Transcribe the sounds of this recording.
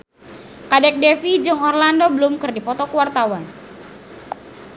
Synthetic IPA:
kadɛk̚dɛfid͡ʒɨŋɔrlandobəlumkɨrdipɔt̪ɔkuwart̪awan

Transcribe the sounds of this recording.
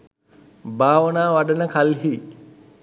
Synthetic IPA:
baːʋənaːʋaɖənəkalɦi

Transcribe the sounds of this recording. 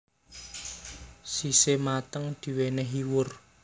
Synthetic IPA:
sisemat̪əŋd̪̥i̤wenɛɦiwʊr

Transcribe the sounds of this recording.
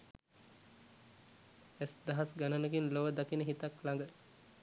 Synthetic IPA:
ɛsd̪ɐɦasɡanənəɡinloʋəd̪akinəɦit̪aklaŋɡə

